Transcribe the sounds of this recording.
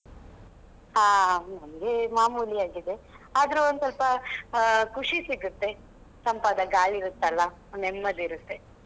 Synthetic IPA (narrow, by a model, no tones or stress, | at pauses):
aːnɐmɐɡemaːmuːliaːɡid̪e̞aːd̪ɐɾuond̪sɐlpɐ | kuʂisiɡut̪ːe̞ | sɐmpaːd̪ɐɡaːɭiɾut̪ːɐlːɐ | nɛmːɐd̪iɾut̪ːe̞